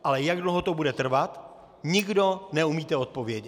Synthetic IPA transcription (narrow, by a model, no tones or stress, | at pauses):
ʔalɛjaɡdloɦot̪o̞budɛt̪r̩vat̪ | ɲɪɡdo̞nɛumiːt̪ɛot̪̚po̞vjɛɟɛ